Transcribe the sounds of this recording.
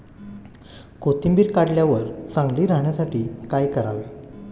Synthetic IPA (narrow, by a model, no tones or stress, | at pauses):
kot̪imbiːɾkaɽljaʋəɾsãŋɡliːɾaɦɳjasaʈiːkajkəɾaʋe